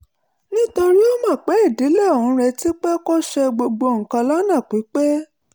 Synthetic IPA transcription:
nĩ˦to˧ɾi˦o˦mã˦˨k͡pɛ˨˦i˦˨di˨˦lɛ˦˨o˨wũ˨˧˦ɾɛ˧ti˦k͡pɛ˦ko˦ʃɛ˧ɡ͡bo˧ɡ͡bo˧˨ŋ̩˨kã˧la˦nã˦˨k͡pi˨˦k͡pɛ˦

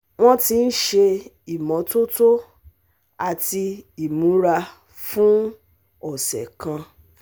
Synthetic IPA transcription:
ŋ̃ɔ̃˦ti˦n̩˦ʃe˧ | i˨mɔ̃˨˦to˦to˦ | a˨ti˧i˨mũ˨˦ɾa˧ | fũ˦ | ɔ˨sɛ̰˨kã˧

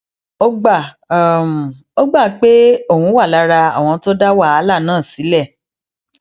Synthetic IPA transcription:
o˦ɡ͡ba˦˨˦ | m̩˨ | o˦ɡ͡ba˦˨k͡pe˦o˦˨hũ˨˦wa˦˨la˧˦ɾa˧a̰˨w̃ɔ̃˧˦to˦da˦wa˦˨a˨˦la˦˨nãː˦˨si˨˦lɛ˦˨

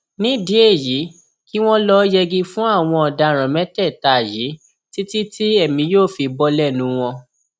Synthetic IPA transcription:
nĩ˨˦di˨˦e˦˨ji˨˦ | ki˦w̃ɔ̃˦lɔ˦jɛ˧ɡi˧fũ˦a˦˨w̃ɔ̃˧ɔ˨da˧˨ɾ̃ã˨mɛ̃˦tɛ˦˨ta˨ji˨˦ | ti˦ti˦ti˦ɛ˦˨mĩ˧˦joː˦˨fi˧bɔ˧lɛ˦˨nũ˧˦w̃ɔ̃˧

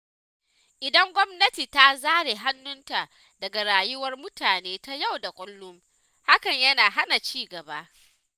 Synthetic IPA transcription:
ʔɪ˨dɐ˦ŋɡʷɔ˦mnɐ˦tiː˨ta˦zaː˦ɽe˨ɦa˦nːʊ˦nta˨ʔ | dɐ˨ɡa˨ɾaː˨jʊ˦wɐ˦rmʊ˦tʰaː˨neː˦ta˦ja˦˨wda˨kʷʼʊ˦lːʊ˦m | ha˦kɐ˨ɲjɐ˦naː˨ɦa˦na˨t͡ʃiː˦ɡɐ˨ba˦ʔ

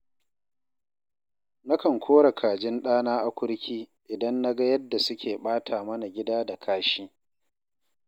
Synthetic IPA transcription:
na˦kɐ˨ŋkʷʰoː˦ɽa˨kʰaː˨d͡ʒɪ˦nɗaː˦naː˦ʔa˨kʷʊ˦ɽkʲʰiː˦ʔɪ˨dɐ˦nːa˦ɡa˦jɐ˦dːa˨sʊ˦kʲʰeː˨ɓaː˦tʰaː˨mɐ˦na˨ɡʲɪ˦daː˦da˨kʰaː˦ʃiː˦

